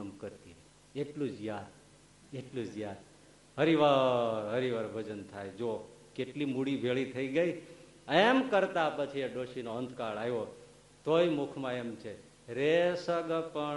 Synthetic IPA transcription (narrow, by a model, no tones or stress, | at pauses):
əmkəɾt̪i | eʈlũd͡ʒjad̪ | eʈlũd͡ʒjad̪ | ɦəɾiʋaɦəɾiʋaɾbʱəd͡ʒənt̪ʰajd͡ʒokeʈlimuɽibʱeɭit̪ʰəiɡəi | emkəɾt̪apət͡ʃʰieɖoʃinoənd̪ʱkaɭajo | t̪oimʊkʰmãemt͡ʃʰe | ɾesəɡpəɳ